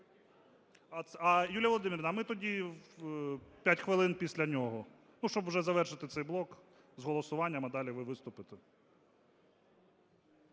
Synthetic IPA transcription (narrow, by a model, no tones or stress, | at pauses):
ɐɐjulʲjɐʋɔlˠɔd̪ɪmʲiɾʲnɐmɪt̪ɔdʲi | pʲjatʲxʋɪlˠɪnpʲisʲlʲɐnʲɔɦɔ | nuʃt͡ʃɔbwʒɛzɐʋɛrʃɪt̪ɪt̪sɛjblˠɔk | zɦɔlˠɔsʊʋɑnʲːɐmɐd̪ɑlʲiʋɪʋɪst̪ʊpɪt̪e